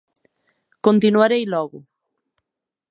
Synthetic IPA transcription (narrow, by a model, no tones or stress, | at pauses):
kõnt̪inwaɾejlɔɣʊ